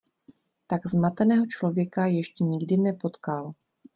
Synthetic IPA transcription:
t̪aɡzmat̪ɛnɛːɦo̞t͡ʃlo̞vjɛkajɛʃcɛɲɪɡdɪnɛpo̞t̪kal

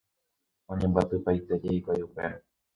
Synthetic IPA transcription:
õ̞ɲẽ̞mbat̪ɨpajt̪ed͡ʒeikʷajupeɾa

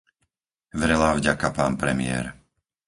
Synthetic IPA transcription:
ʋɛɾɛlaːvɟakapaːnpɾɛmɪɛ̰ːɾ

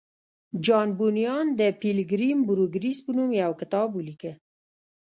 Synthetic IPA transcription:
d͡ʒɑnbunijɑnd̪əpilɡɾimbuɾuɡɾispənumjawkɪt̪ɑbulikə

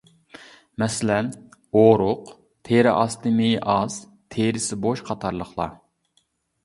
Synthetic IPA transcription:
mɛsɪlɛnoɾʊq | t̪ʰeɾɪʔɑst̪ɨmejʔɑz̥ | t̪ʰeɾɪsɪboʃqʰɑt̪ʰɑɾlˠəχlˠɑ̰

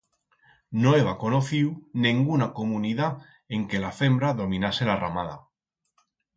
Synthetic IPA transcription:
noeβako̞noθiwnẽŋɡunako̞muniða | eŋke̞lafe̞mbɾaðo̞mĩnase̞lara̰maða̰

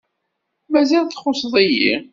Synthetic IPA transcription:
mæzælθχosðˤijḭ

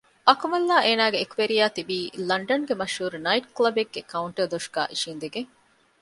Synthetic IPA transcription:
ʔɐkumɐlːaːʔeːnaːɡeːkuʋeɾijaːt̪ibiːlɐɳɖɐnɡemɐʃhuːɾunɐiʈklɐbeɡːekɐuɳʈəd̪oʂɡ̥a̰ːʔiʃiːnd̪eɡeŋ

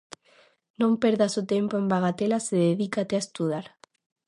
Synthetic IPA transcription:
nõmpeɾðasot̪empoembaɣat̪elaseðeðikat̪eaest̪uð̞aɾ

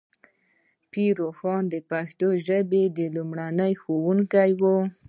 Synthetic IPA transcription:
piɾoxɑnd̪əpaxt̪oʒəbed̪əlumɽanəjxowuŋkajwu

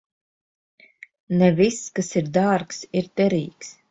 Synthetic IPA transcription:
nɛviskasiɾd̪aɾksiɾt̪ɛɾiːks

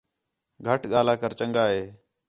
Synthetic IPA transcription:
ɡʱəʈɠaːlaːkəɾt͡ʃəŋɡaːɦeː

